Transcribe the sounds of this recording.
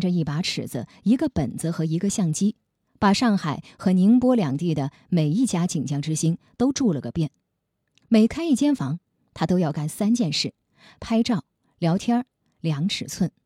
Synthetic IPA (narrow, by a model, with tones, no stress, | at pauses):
ʈ͡ʂə˧i˥˩pa˧˥ʈ͡ʂʰɻ̩̰˨˩d͡z̩̰˦ | i˧˥ɡə˧pə̰˨˩nt͡s̩˧xɤ˧˥i˧˥ɡə˧ɕjɑ˥˩ŋt͡ɕi˥ | pa˨˩ʂɑ˥˩ŋxa˨˩ɪxɤ˧˥ni˧˥ŋpwɔ˥ljɑ˨˩ŋt̪i˥˩d̪ə˩ | me˨˩ɪi˥˩t͡ɕja˥t͡ɕi˨˩ŋt͡ɕjɑ˥˧ŋʈ͡ʂɻ̩˥ɕi˥nt̪o˥ʊʈ͡ʂu˥˧lə˩ɡə˩pjɛ˥˩n | me˨˩ɪkʰa˥ɪi˥˩t͡ɕjɛ˥nfɑ˧˥ŋ | t̪ʰa˥t̪o˥ʊjɑ˥˧ʊka˥˩nsa˥nt͡ɕjɛ˥˧nʂɻ̩˥˩ | pʰa˥ɪʈ͡ʂɑ˥˩ʊ | ljɑ˧˥ʊt̪ʰjɑ˥ | ljɑ˧˥ŋʈ͡ʂʰɻ̩˨˩t͡sʰwə˥˩n